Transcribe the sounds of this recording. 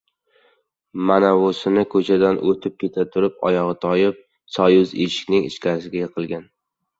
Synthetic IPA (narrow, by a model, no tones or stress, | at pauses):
manavosɪnɪkʰɵt͡ʃʰad̪anʔot̪ʰɪp̚kʲʰe̞t̪ʰat̪ʰʊɾɪpɒ̰jɒʁɨt̪ʰɒjɪp̚ | sɒjʊzeʃɪ̥kʲnɪŋɪ̰ʃkʲaɾɪsɪɡʲajɨqʰɨlˠɡʲan